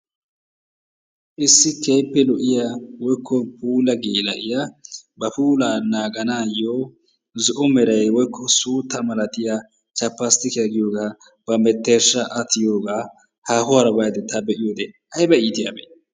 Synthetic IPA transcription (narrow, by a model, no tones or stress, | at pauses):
ʔɪsːɪkʰejpːɛlɔʔɪjawɔjkʰːɔpuːlɐɡeːlɐʔɪjabɐpuːlaːnaːɡɐnaːjoː | zʊʔʊmɛɾɐjwɔjkʰːɔsuːt̪ːɐmɐlɐt̪ɪja | t͡ʃɐpːɐst̪ɪkɛɐɡɪjoːɡaː | b̥ɐmɛt̪ːeːʃːɐʔɐt̪ɪjo̞ːɡaː | haːhʊwaːɾɐbɐjd̪ɛt̪ːɐbɛʔɪjoːd̪ɛ | ɐjbɐiːt̪ɪjabḛ